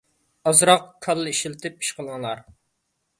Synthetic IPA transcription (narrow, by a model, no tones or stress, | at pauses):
ɑzɾɑqkʰɑlˠːɨiʃilt̪ʰɪpʰi̥ʃqʰəlˠŋlˠɑɾ